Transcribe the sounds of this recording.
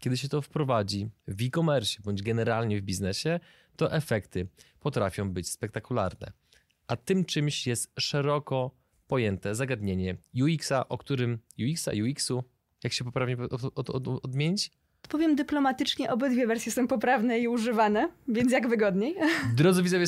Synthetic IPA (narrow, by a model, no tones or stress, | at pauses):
kʲɛd̪ɘɕ̬ɛt̪ɔfpɾɔvad͡ʑivʲikɔmɛɾɕɛbɔɲd͡ʑɡɛnɛɾalɲɛvbʲiznɛɕɛ | t̪ɔʔɛfɛkt̪ɘpɔt̪ɾafʲjɔ̃w̃bɘt͡ɕspɛk̚t̪akula̰ɾnɛ̰ | ʔat̪ɘmt͡ʂɘmɕjɛst̪ʂɛɾɔkɔ | pɔjɛnt̪ɛzaɡad̪ɲeɲɛjuiksaʔɔkt̪uɾɘmjuiksa̰juiksu | jakɕɛpɔpɾavɲɛ | ɔd̪mʲjeɲit͡ɕ | ɔt̪pɔvʲjɛmd̪ɘplɔmat̪ɘt͡ʂɲɛʔɔbɘd̪vʲjɛvɛɾsʲjɛsɔ̃w̃pɔpɾavnɛiuʐɘvanɛvʲjɛnt̪jaɡvɘɡɔd̪ɲejd̪ɾɔd̪zɨvʲizɔvʲjɛ